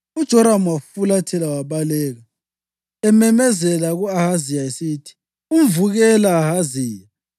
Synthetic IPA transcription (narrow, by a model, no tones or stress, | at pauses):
ud̥ʒ̥ʱɔɾamwafulatʰɛlawaβalɛːɣa | ɛmɛmɛzɛlaɣuahazijaesitʰi̥ | umvuɣɛlaːɦaziːja